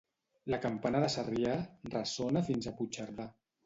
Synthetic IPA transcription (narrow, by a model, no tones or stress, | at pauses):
lakampanəðəsariarəsonafinzaput͡ʃaɾða